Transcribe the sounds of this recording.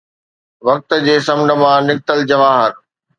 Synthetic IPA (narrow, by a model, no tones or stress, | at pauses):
ʋɐk̚t̪ə̆d͡ʑeːsɐmnə̆mãnɪk̚t̪əld͡ʑɐʋaːɦəɾ